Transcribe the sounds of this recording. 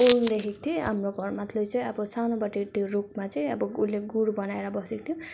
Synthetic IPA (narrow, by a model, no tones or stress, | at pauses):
ond̪ekʰekt̪ʰjoamroɡʱʌrmat̪ʰlʌjt͡sʌĩʌbʌsanobʌʈit̪joruk̚mat͡sʌĩʌbʌulːeɡuɽbʌnaeɾʌbʌsekt̪ʰjo